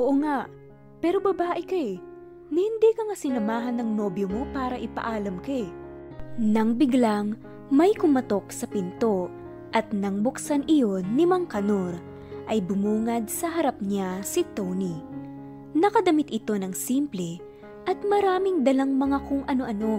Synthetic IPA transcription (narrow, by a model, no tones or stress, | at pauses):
ʔoʔoŋaʔ | pɛːɾo̞bɐbaːʔɪkɐj | nɐhɪnd̪ikɐŋasɪnɐmaːɦɐnːɐŋno̞bjomo̞paːɾɐʔɪpɐ̰ʔaːlɐmka | nɐŋbɪɡlaŋ | mɐjkʊmɐt̪o̞k̚sɐpɪnt̪o̞ | ʔɐt̪nɐŋbʊksanʔɪjo̞nːɪmɐŋkɐnoɾ | ʔɐjbʊmuːŋɐd̪̚sɐɦɐɾap̚ɲasɪt̪owni | nɐkɐd̪ɐmɪt̪ʔɪt̪o̞nɐŋsimplɛ | ʔɐt̪̚mɐɾaːmɪŋd̪ɐlaŋmɐŋakʊŋʔɐno̞ʔɐno̞